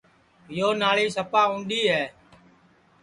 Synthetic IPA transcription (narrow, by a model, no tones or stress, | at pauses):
ɪjoːnaːɭiːsəpaːɦũːnɗ̪iːɦɛː